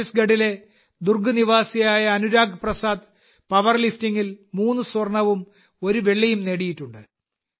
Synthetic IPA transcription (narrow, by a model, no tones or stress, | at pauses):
sɡɐɽile̞ | d̪urɡɨniʋaːsijaːjɐːnuɾaːɡprɐsaːd̪ | pɐʋɐrliftiŋːilmuːnːɨsorɳɐʋum | o̞ɾuʋeɭːɐjumneɽijitːuɳɖɨ